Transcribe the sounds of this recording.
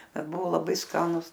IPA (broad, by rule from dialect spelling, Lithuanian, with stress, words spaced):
ˈbʲɛt ˈbʊʋoː lˠɐˈbɐɪ ˈskɑːnʊs